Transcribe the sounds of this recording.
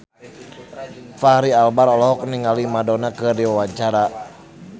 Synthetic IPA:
faɾialbaɾɔlɔɦɔk̚niŋalimadɔnakɨrdiwawaɲt͡ʃaɾa

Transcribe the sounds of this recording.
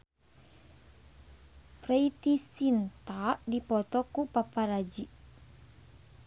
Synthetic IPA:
preit̪isint̪aʔdipɔt̪ɔkupapaɾad͡ʒiʔ

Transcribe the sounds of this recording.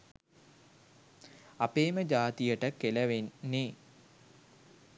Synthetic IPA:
apeːməd͡ʒaːt̪ijəʈəkeləʋenːe

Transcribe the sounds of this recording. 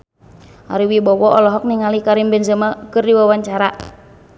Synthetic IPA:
a̰ɾiwibɔwɔɔlɔɦɔk̚niŋalikaɾimbɛnzəmakɨrdiwawaɲt͡ʃaɾa

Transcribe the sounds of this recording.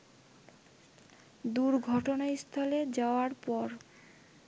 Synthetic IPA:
d̪uɾɡʱɔʈonast̪ʰɔled͡ʑaoaɾpɔɾ

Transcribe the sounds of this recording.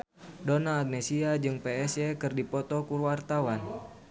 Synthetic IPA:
donaːɡ̚nesiad͡ʒɨŋpeɛsɛkɨrdipɔt̪ɔkuwart̪awan

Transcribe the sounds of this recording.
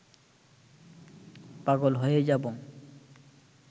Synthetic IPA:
paɡolɦojed͡ʑaboŋ

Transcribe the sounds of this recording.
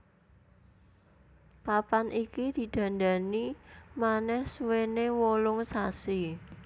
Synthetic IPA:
papanʔikid̪̥i̤d̪̥ä̤nd̪a̤nimanɛhswenewɔlʊŋsasi

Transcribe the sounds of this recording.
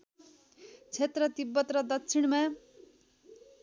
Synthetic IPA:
t͡sʰet̪rʌt̪ibːʌt̪rʌd̪ʌkt͡sʰiɽ̃ma

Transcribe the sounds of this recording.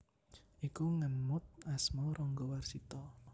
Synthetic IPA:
ʔikuŋənmʊt̪̚asmɔɾɔŋɡɔwarsit̪ɔ

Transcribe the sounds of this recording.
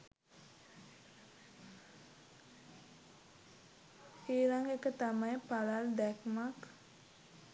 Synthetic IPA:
ilaŋekət̪amajpalald̪ɛkmak

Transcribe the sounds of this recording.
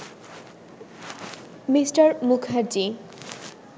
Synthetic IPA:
misʈaɾmukʰaɾd͡ʑi

